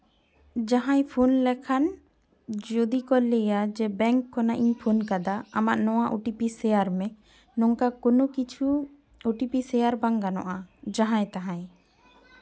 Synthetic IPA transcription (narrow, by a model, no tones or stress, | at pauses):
d͡ʒaɦãjpʰunlɛkʰan | d͡ʒod̪ikɔlɛjad͡ʒɛbɛŋkʰːɔnaʔiɲpʰunkad̪aamaʔnɔwaʔuʈipisɛjaɾmɛ | nɔŋkakɔnɔkit͡ʃʰu | uʈipisɛjaɾbaŋɡanɔ̰ʔad͡ʒaɦãjt̪aɦãj